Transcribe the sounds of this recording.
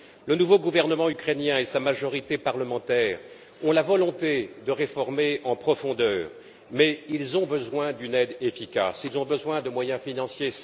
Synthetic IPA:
lənuvoɡuvɛʁnəmɑ̃ykχenjɛ̃esamaʒɔʁit̪epaʁləmɑ̃t̪ɛːʁ | ɔ̃lavɔlɔ̃t̪ed̪əʁefɔʁmeɑ̃pχɔfɔ̃d̪œːʁ | mɛilzɔ̃bəzwɛ̃d̪ynɛd̪efikʲa̰silzɔ̃bəzwɛ̃d̪əmwajɛ̃finɑ̃sje

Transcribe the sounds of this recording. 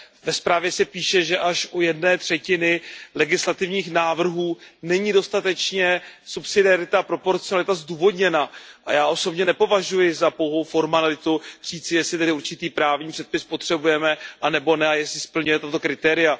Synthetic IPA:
vɛspɾaːvjɛsɛpiːʃɛʒɛʔaʃʔujɛdnɛːt̪r̝̥ɛcɪnɪlɛɡɪslat̪ɪvɲiːxnaːvr̩ɦuːnɛɲido̞st̪at̪ɛt͡ʃɲɛsupsɪdɪaɾɪt̪aːpɾo̞po̞ɾt͡sɪonalɪt̪azduːvo̞dɲɛnaʔa̰jaːʔo̞so̞bɲɛnɛpo̞vaʒujɪzapowɦowfo̞ɾmanalɪt̪ur̝̥iːt͡sɪjɛslɪt̪ɛdɪuɾt͡ʃɪt̪iːpɾaːvɲiːpr̥ɛt̪̚pɪspo̞t̪r̥ɛbujɛmɛʔanɛbo̞nɛajɛslɪspl̩ɲujɛt̪at̪o̞kɾɪt̪ɛːɾɪja

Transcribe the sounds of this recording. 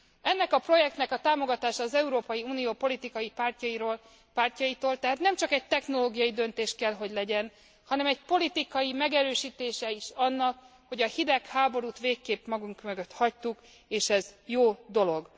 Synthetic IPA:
ɛnːɛkɒpro̞jɛk̚t̪nɛkɒt̪aːmo̞ɡɒt̪aːʃɒːzɛuɾoːpɒjiuːnijoːpo̞lit̪ikɒjipaːrcɒjiɾol | paːrcɒjit̪oːlt̪ɛɦaːt̪nɛmt͡ʃɒkɛɟ̚t̪ɛxno̞loːɡijɒjid̪ø̞nt̪eːʃkɛlɦo̞ɟlɛɟɛn | hɒnɛmɛɟpo̞lit̪ikɒjimɛɡɛɾøːʃiːt̪eːʃɛiʃɒnːɒk | ho̞ɟɒhid̪ɛkhaːbo̞ɾuːt̪ʋeːkːeːpmɒɡuŋkmøɡøt̪hɒc̚t̪uk | eːʃɛzjoːd̪o̞lo̞ɡ

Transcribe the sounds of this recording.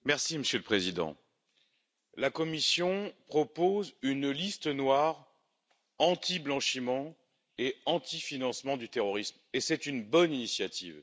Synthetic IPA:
mɛʁsiməsjøləpχezid̪ɑ̰̃ | lakɔmisjɔ̃pχɔpozynlist̪ənwaʁ | ɑ̃t̪ʰiblɑ̃ʃimɑ̃ | eɑ̃t̪ʰifinɑ̃smɑ̃d̪yt̪eʁɔʁismesɛt̪ynbɔninisjat̪ʰḭːv

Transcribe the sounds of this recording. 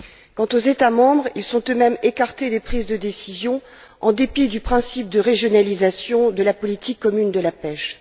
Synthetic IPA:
kɑ̃t̪ozet̪amɑ̃bʁilsɔ̃t̪ømɛmekaʁt̪ed̪epχizd̪əd̪esizjɔ̃ | ɑ̃d̪epid̪ypχɛ̃sip̚d̪əʁeʒjɔnalizasjɔ̃d̪əlapɔlit̪ikːɔmynd̪əlapɛʃ

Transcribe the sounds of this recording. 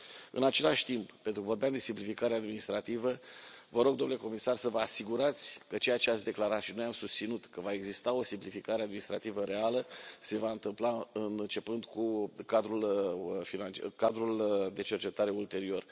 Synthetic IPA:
ɨ̰nat͡ʃe̞laʃt̪imppent̪ɾukəvo̞rbjamd̪e̞simplifikaɾead̪minist̪ɾat̪ivəvəɾo̞ɡd̪o̞mnuleko̞misarsəvəasiɡuɾat̪sʲkət͡ʃe̞jat͡ʃeatsʲd̪e̞klaɾat̪ʃino̞jamsust̪sinut̪kəvae̞ɡzist̪ao̞simplifikaɾead̪minist̪ɾat̪ivəɾe̞aləse̞vaɨnt̪ɨmplaɨnt͡ʃe̞pɨnd̪kukad̪ɾulfinankad̪ɾuld̪e̞t͡ʃe̞rt͡ʃe̞t̪aɾe̞ult̪e̞ɾio̞r

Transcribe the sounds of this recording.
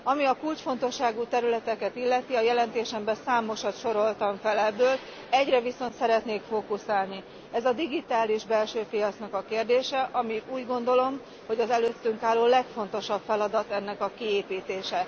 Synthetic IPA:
ɒmiɒkult͡ʃfo̞n̪t̪o̞ʃːaːɡuːt̪ɛɾylɛt̪ɛkɛt̪ilːɛt̪iɒjɛlɛnt̪eːʃɛmbɛsaːmo̞ʃɒt̪ʃo̞ɾo̞lt̪ɒɱfɛlɛbːøːl | ɛɟrɛviso̞nt̪sɛɾɛt̪neːkfoːkusaːlni | ɛzɒd̪iɡit̪aːliʒbɛlʃøːpijɒt̪snɒkɒkeːrd̪eːʃɛʔɒmiuːɟɡo̞nd̪o̞lo̞m | ho̞ɟɒzɛløːt̪ːyŋkaːlːoːlɛkfo̞n̪t̪o̞ʃɒpfɛlɒd̪ɒt̪ɛnːɛkɒkieːpiːt̪eːʃɛ

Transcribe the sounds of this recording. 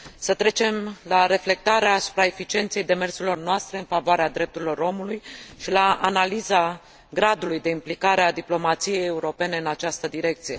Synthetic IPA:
sət̪ɾe̞t͡ʃe̞mlaɾe̞fle̞k̚t̪aɾeaːsu̥pɾae̞fit͡ʃie̞nt̪se̞jd̪e̞me̞rsuilo̞rnoast̪ɾe̞ɨnfavoaɾead̪ɾe̞p̚t̪uɾilo̞ɾo̞mulujʃilaːnaliza | ɡɾad̪ulujd̪e̞implikaɾead̪iplo̞mat̪sije̞je̞uɾo̞pe̞ne̞ɨnat͡ʃast̪əd̪iɾe̞k̚t̪sije̞

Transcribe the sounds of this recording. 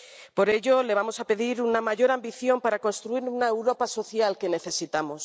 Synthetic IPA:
po̞ɾe̞ʎo̞le̞β̞amo̞sape̞ðiɾunamaʝo̞ɾambiθjo̞mpaɾako̞nst̪ɾuiɾunaewɾo̞paso̞θjalke̞ne̞θe̞sit̪amo̞s

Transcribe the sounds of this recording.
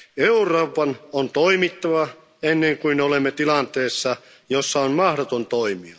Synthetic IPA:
euroːpɑnont̪oimit̪ːɑʋɑ | enːeŋkuinolemːet̪ilɑnt̪eːsːɑ | josːɑonmɑhdot̪ont̪oimiɑ

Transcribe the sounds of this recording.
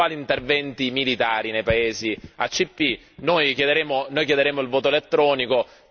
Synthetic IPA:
aːliːnt̪ervɛnt̪imilit̪aːɾinejpaeːzia̰t͡ʃːipːi | nojkjed̪eɾeːmonoːjkjed̪eɾeːmoilvoːt̪oelet̪ːɾɔːniko

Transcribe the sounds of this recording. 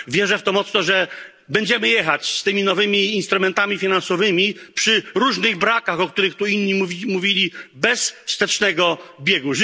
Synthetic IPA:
vʲjɛʐɛft̪ɔmɔt̪snɔʐɛ | bɛɲd͡ʑɛmɘjɛxat͡ɕst̪ɘmʲinɔvɘmʲiːnst̪ɾumɛnt̪amʲifʲinansɔvɘmʲipʂɘɾuʐnɘɣbɾakaxɔkt̪uɾɘxt̪uinːɲiimuvʲilʲibɛsfst̪ɛt͡ʂnɛɡɔbʲjɛɡu

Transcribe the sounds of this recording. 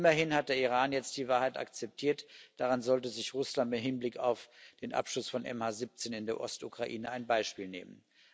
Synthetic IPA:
ɪmɐɦɪnhat̚d̥eːɐiʁ̞aːnjɛt͡st̚d̥iːvaːɐɦhaɪta̰kt͡sɛp̚tʰiːɐtd̥aʁanzɔltəzɪçʁʊslantmɪtɦhɪnblɪkaʊfd̥eːnʔa̰pʃlʊsfɔnʔɛ̰mhaːzip̚t͡seːnɪndeːɐʔɔstukʁ̥aʔḭːnəaɪnbaɪʃpiːlnḛːmən

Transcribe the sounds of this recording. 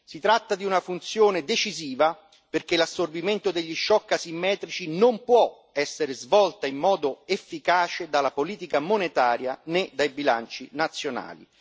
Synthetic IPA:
sit̪ɾat̪ːad̪iunafunt̪sjoːned̪et͡ʃiziːva | perkelasːorbiment̪od̪eʎːiʃːɔkːasimːɛːt̪ɾit͡ʃinompwɔ | ɛsːeɾezvɔlt̪aimːɔːd̪oefːikaːt͡ʃed̪alapoliːt̪ikamonet̪aːɾjaned̪ajbila̰nt͡ʃinat̪sːjona̰ːlḭ

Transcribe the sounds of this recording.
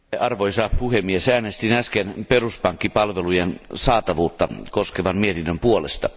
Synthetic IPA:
ɑrʋojsɑpuhemːiesæːnest̪inæskenperuspɑŋkːipɑlʋelujensɑːt̪ɑʋuːt̪ːɑkoskeʋɑnmiet̪inːømpuolest̪ɑ

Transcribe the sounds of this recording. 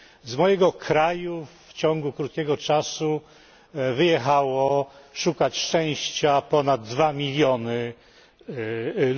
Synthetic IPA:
zmɔjɛɡɔkʰɾajuft͡ɕɔŋɡukɾut̪̚kʲɛɡɔt͡ʂasu | vɘjɛxawɔʂukat͡ɕʂt͡ʂɛ̃w̃ɕt͡ɕapɔnad̪ːvamʲilʲjɔnɘ

